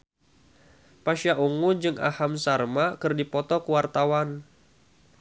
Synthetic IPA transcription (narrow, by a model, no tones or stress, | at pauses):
paʃjaʔuŋud͡ʒɨŋʔa̰hamsarmakɨrdipɔt̪ɔkuwart̪awan